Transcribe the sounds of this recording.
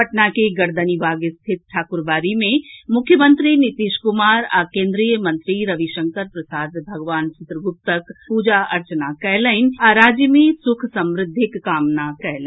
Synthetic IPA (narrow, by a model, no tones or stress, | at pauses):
pəʈnakeɡɐɾd̪ənibaːɡst̪ʰɪt̪̚ʈʰaːkʊɾbaːɾimẽmʊkʰːjəmə̃nt̪ɾinɪt̪iːʃkʊmaːɾakẽːnd̪ɾijəmɐ̃nt̪ɾiɾɐʋiʃə̃ŋkəɾpɾɐsaːd̪bʱɐɡʋaːnt͡ʃɪt̪ɾəɡʊp̚t̪əkpuːd͡ʒaʔɐɾt͡ʃənakɛɦləɪnaɾaːd͡ʒjəmẽsʊkʰsɐ̃mɾɪd̪ʱːɪkːaːmnakɛɦlə